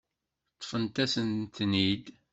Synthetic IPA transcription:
t̪ˤːfənt̪æsənt̪nid̪

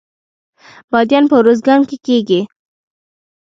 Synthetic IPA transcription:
b̥ɑd̪jɑnpəwɾozɡɑŋkekeɡi

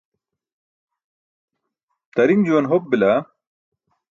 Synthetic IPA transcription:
t̪ɐɾimd͡ʑuwɐnɦop̚bila

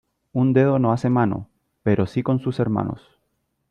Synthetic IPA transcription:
und̪e̞ð̞o̞noase̞mano̰ | peɾʔo̞siko̞nsuse̞ɾma̰no̞̰s

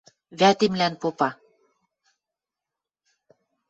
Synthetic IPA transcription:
βæt̪emlænpopɑ

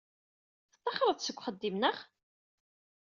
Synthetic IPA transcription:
θt̪ˤːɑχɾˤəðsəɡʷːχəd̪ːimnəχ

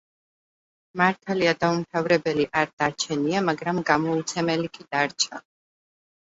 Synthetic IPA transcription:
maɾt̪ʰaliad̪aumt̪ʰavɾɛbɛliʔaɾd̪̥aɾt͡ʃʰɛniamaɡɾamɡamɔut̪sʰɛmɛlikʼid̪̥aɾt͡ʃʰa

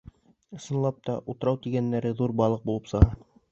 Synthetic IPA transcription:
ɤ̆sɤ̆nlˠɑp̚t̪ɑʔut̪ɤ̆ɾɑwt̪iɡænːæɾɘðuɾbɑlˠɤq̚bulˠɤp̪sɤ̆ʁɑ

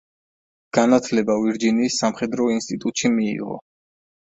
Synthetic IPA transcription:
ɡ̥anat̪ʰlɛbaviɾd͡ʒiniːsːamχɛd̪ɾɔinst̪ʼit̪ʼut̪ʼʃimḭːʁɔ̰

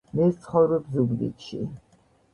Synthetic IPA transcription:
mɛst̪sʰχɔvɾɔbzubd̪ḭt̪ʃḭ

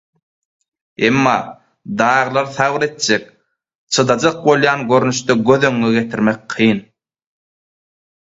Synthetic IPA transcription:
emːɑː | d̪ɑːʁlˠɑɾθɑʁɯɾe̞t̪̚d͡ʒek̚ | t͡ʃʰɯd̪ɑd͡ʒɑq̚bo̞lˠjɑːnɡø̞ɾnyʃt̪øɡøðø̞ŋːøɡe̞t̪ʰiɾmek̚qʰɯjn

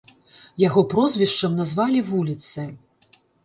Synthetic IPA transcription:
jaɣɔpɾɔzvʲiʂt͡ʂɐmnazvalʲivulʲit̪sɨ

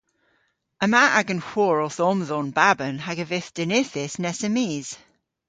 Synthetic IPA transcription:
əmaʔaɡənxwɔːɹɔθɔmðɔnbabənɦaɡəvɪθd̥ənɪθɪsnɛsəmiːz̥

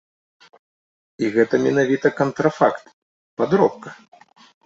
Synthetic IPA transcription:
iɣɛt̪ɐmʲɛnavʲit̪ɐkɐnt̪ɾafakt̪ | pad̪ɾɔp̚kɐ

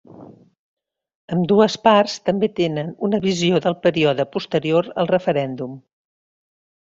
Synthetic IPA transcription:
əmd̪uəsparst̪əmbet̪enənunəβizioðəlˠpəɾiɔðəpust̪əɾioɾə̰lˠrəfəɾɛnd̪um

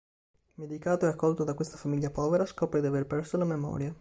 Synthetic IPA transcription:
med̪ikaːt̪oɛakʰːɔlt̪od̪akwest̪afamiʎːapɔːveɾaskɔːpɾed̪iaverpɛrsolamemɔ̰ːɾja

